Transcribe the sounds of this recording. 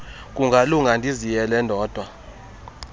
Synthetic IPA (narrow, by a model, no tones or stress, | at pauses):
kʼuŋɡʱaluŋɡʱandʱizijɛlɛndʱɔːd̥ʱwa